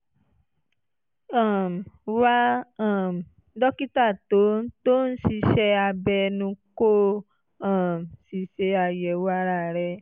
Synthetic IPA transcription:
ã˨m˨wa˦˨ | m˨ | dɔ˦ki˦ta˦˨to˨˦to˦ñ̩˦si˧˦ʃɛ˦a˧bɛ˧nũ˧ko˦ | ã˨m˨si˨˧˦ʃe˧a˧jɛ˨wa˦ɾa˦˨ɾɛ˧

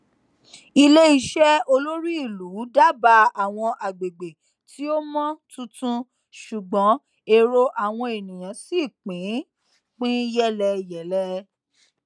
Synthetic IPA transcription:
i˧le˦i˦ʃɛ˦o˧lo˦ɾi˦i˦˨lu˨˦da˦ba˧a˨w̃ɔ̃˧ʔa˨ɡ͡be˨ɡ͡be˨ | tʰi˦o˦mɔ̃˦tũ˧tũ˧ | ʃu˨ɡ͡bɔ̃˨˦ | e˧ɾo˧ʔa˨w̃ɔ̃˧e˨nĩ˨j̃ã˨˦si˦˨k͡pĩ˨˦ | k͡pĩ˦jɛ˦lɛ˧jɛ˨˦lɛ˧˦

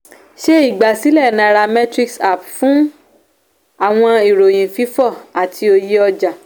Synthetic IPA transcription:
ʃe˦i˦˨ɡ͡ba˨si˨˦lɛ˦˨nã˧˦˧ɾa˧mɛ̃˦tɾi˧ksa˨pfũ˨˦ | a˨w̃ɔ̃˧i˨ɾo˨j̃ĩ˨fi˨˦fɔ˦˨a˨tʰi˧o˧ji˧˦ɔ˧d͡ʒa˨

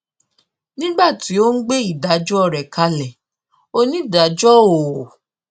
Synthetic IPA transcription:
nĩ˦ɡ͡ba˦˨ti˨˦o˦n̩˦ɡ͡be˦i˦˨da˨˦d͡ʒɔ˦ɔ˨ɾɛ˨ka˧lɛ˨ | o˦˧nĩ˦i˦˨da˨˦d͡ʒɔ˦o˨

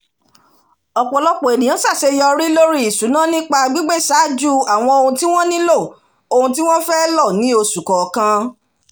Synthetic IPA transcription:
ɔ˨k͡pɔ˨lɔ˦k͡pɔ˨e˨nĩ˨jã˨˦sa˦˨se˧jɔ˧ɾi˦lo˦ɾi˦i˨sũ˨˦nã˦nĩ˦k͡pa˧ɡ͡bi˦ɡ͡be˦sa˨˦d͡ʒu˦˨a˨w̃ɔ̃˧o˧hũ˧ti˦w̃ɔ̃˦nĩ˦lo˦˨ | o˧hũ˧ti˦w̃ɔ̃˦fɛ˦lɔ˦˨nĩ˦o˧su˨kɔ˨kã˧

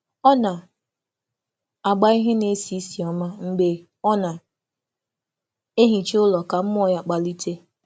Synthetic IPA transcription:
ɔ˦na˨ | a˨ɡ͡ba˦i˦ɦe˦ne˦si˨˦si˨ɔ˦ma˦ŋ͡m̩˦ɡ͡be˨ | ɔ˦na˨ | e˦ɦi˨t͡ʃe˦ʊ˦lɔ˨ka˨m̩˦m˦ɔ˦˨ja˨k͡pa˨li˦te˦

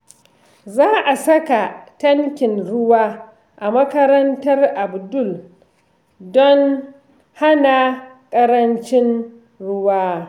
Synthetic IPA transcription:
zaː˦ʔa˨sɐ˦ka˨tɐ˦ŋkʲɪ˨nɽʊ˦waː˦ | ʔa˨mɐ˦kɐ˦ɾɐ˦ntɐ˦rʔa˨bdʊ˦˨l | dɔ˦ŋ | ha˦na˨ | kʼɐ˦ɾɐ˦nt͡ʃɪ˦n | ɽʊ˦waː˦

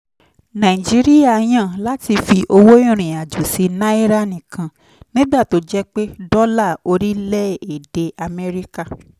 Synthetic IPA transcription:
nã˨i˨d͡ʒi˨˦ɾi˦ja˦˨j̃ã˦˨la˦ti˧fi˧ʔo˧wo˦ĩ˦˨ɾ̃ĩ˨a˨d͡ʒu˨si˧nã˦i˦ɾa˦nĩ˨kʰã˧ | nĩ˦ɡ͡ba˦˨to˨˦d͡ʒɛ˦k͡pe˦dɔ˦la˦˨o˧ɾi˦lɛ˦˨e˨de˧ʔa˧mɛ˦ɾi˦ka˦˨

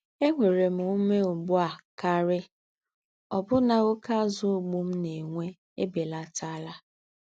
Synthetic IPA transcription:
e˦ŋʷe˨ɾe˨m̩˨u˦me˦ʊ˨ɡ͡bʊ˦a˨ka˦ɾɪ˦ | ɔ˨bʊ˦na˨ɣʊ˦ka˦zʊ˦o˨ɡ͡bu˦m̩˦ne˨ŋʷe˦ | e˦be˨la˦ta˦la˦

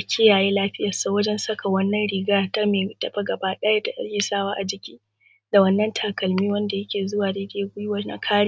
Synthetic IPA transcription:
kʲʰɪ˦jaː˨jeː˦laː˦ɸɪ˦jɐ˨saː˨wɐ˦d͡ʒɛ˦nsɐ˦ka˨wɐ˦nːɐ˦nɽɪ˨ɡaː˦ta˦meː˨˦tɐ˨ɸa˦ɡɐ˨baː˦ɗɛː˦ja˦tːa˨ʔɐ̰˦kiː˦saː˦waː˦ʔa˨d͡ʒɪ˨kʲiː˦ | da˨wɐ˦nːɐ˦ntʰaː˨kɐ˨lmiː˦wɐ˦nda˨jɐ˦kʲeː˨zʊ˦waː˨deː˦deː˦ɡʷʊ˦jʊ˦wɐ˨˦na̰˨kʰaː˦ɽ

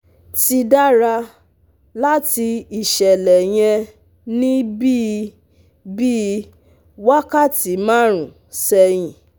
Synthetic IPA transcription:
ti˧da˦ɾa˧ | la˦ti˧i˨ʃɛ˨lɛ˨j̃ɛ̃˧ | nĩ˦bi˦ | bi˦ | wa˦ka˦˨ti˨˦mã˦ɾ̃ũ˨ | sɛ˧j̃ĩ˨

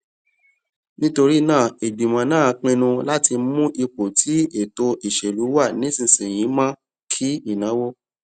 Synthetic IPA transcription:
nĩ˦to˧ɾi˦nãː˦˨e˨bi˨mã˨˦nãː˦˨˧k͡pĩ˧nũ˧la˦ti˧˦mũ˦ʔi˧k͡po˨tʰi˨˦e˦˨to˧ʔi˨ʃɛ˨lu˨˦wa˦˨nĩ˨˦sĩ˧˨sĩ˨j̃ĩ˨˦mã˦ | kʰi˦i˦˨nã˨˦wo˦

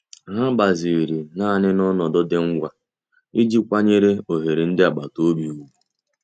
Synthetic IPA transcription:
ɦa˦ba˨zi˨ɾi˨na˦˨nɪ˦nɔ˦nɔ˨dɔ˦dɪ˦ŋ̩˦ɡʷa˦ | i˦d͡ʒi˦kʷa˦ɲe˦ɾe˦o˨ɦe˨ɾe˨n̩˦dɪ˦a˨ɡ͡ba˨to˦bi˨u˨˦

